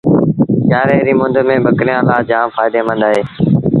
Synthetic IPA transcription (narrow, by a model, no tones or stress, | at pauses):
kjaːɾeːɾiːmʊ̃nd̪mẽːbʱəkɾɪjãːlaːd͡ʒãːmfaːɪd̪eːmə̃nd̪aːɦeː